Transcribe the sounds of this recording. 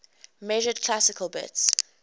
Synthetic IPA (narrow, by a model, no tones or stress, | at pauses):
mɛʒəd̚kʰl̥asɪkʰəlˠbɪ̰ts